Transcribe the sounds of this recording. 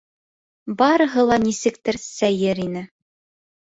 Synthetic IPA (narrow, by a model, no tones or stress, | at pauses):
bɑɾɤ̆ɦɤ̆lˠɑnisɘ̆kt̪ɘɾsæjɘɾinɘ